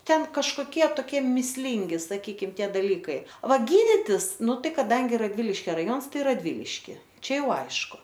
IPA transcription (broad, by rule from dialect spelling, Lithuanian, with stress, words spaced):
ˈtʲɛn kɐʃˈkoːkʲiɛ toːˈkʲiɛ mʲiːsʲˈlʲɪŋʲɡʲɪ sɐˈkʲiːkʲɪm ˈtʲiɛ dɐˈlʲiːkɐɪ ˈʋɐ ˈɡʲiːdʲɪtʲɪs ˈnʊ ˈtɐɪ kɐˈdɐŋʲɡʲɪ rɐdʲˈʋʲɪlʲɪʃʲkʲɛ rɐˈjoːns ˈtɐɪ rɐdʲˈʋʲɪlʲɪʃʲkʲɪ ˈt͡ʃʲɛ ˈjɛʊ ˈɐɪʃkʊ